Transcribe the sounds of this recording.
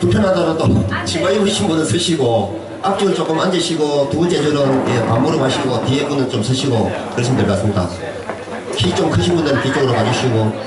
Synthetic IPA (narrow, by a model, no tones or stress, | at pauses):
tupʰjʌnɦadʌɾat͈ot͡ɕiŋmaiɯɕʰinbunɯnsʰɯɕʰiɡo | ak̚t͡ɕ͈iɯnt͡ɕ͈ok͈ɯmand͡ʑeɕʰiɡotuunt͡ɕ͈ed͡ʑɯɾɯnjepammoɾɯmaɕʰiɡotiepunɯnt͡ɕ͈omsʰɯɕʰiɡokɯɾesʰimdeɭk͈as͈ɯmɲida̰ | kʰit͡ɕ͈omkʰɯɕ̬ʰinbundɯɾɯnpit͡ɕ͈oɡɯɾokad͡ʑuɕʰiɡo